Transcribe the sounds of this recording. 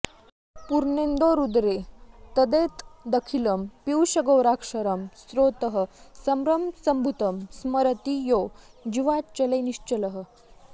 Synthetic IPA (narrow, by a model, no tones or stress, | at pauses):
puɾnend̪oːɾud̪ɾet̪ɐd̪et̪d̪əkʰiləmpiwɕɐɡəwɾaːkʂɐɾɐmsɾoːt̪əɦə̆sɐmɾɐmsɐmbʱut̪əmsmɐɾɐt̪ijod͡ʑiʋatt͡ɕɐleniʂt͡ɕələɦə̆